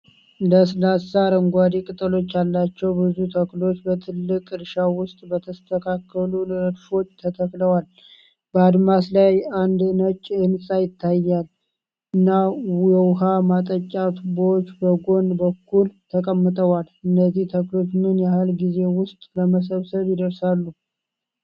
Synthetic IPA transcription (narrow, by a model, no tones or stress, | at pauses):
ləslasaɾəŋɡʷad̪ikʼɨt̪ʼəlo̞t͡ʃːalːat͡ʃːɛwbɨzut̪ʰəklo̞t͡ʃːbət̪ʰɨlːɨkʼɨɾʃawʊst̪ʼbət̪ʰəst̪ʰəkʰakʰːəlunɾəd̪fo̞t͡ʃːt̪ʰət̪ʰəkʼləwal | bəad̪maslajand̪ɨnət͡ʃːʼɨnsʼajɪt̪ʰːajːal | ʔɨnːawjɛwɦamat̪ʼət͡ʃʼːat̪bot͡ʃːbəɡo̞nbəkʰːult̪ʰəkʼəmːɨt̪ʼəwalɨnːəzːiht̪ʰəklo̞t͡ʃːnɨnjahɨlɡize̞wʊst̪ʼləməs̬əβsəβjɪd̪əɾsalːu